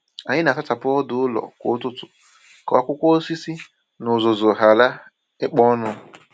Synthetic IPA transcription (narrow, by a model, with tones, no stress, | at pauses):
a˨ɲɪ˦na˨ta˦ta˨pʊ˦ɔ˦dʊ˦ʊ˦lɔ̰˨kʷʊ̰˨˦tʊ˦tʊ˨ | kɔ˨a˦˨kʷʊ˦kʷɔ˦o˦si˦si˦ | nʊ˨zʊ˨zʊ˨ɦa˨la˦ | ɪ˦k͡pɔ˦nʊ˦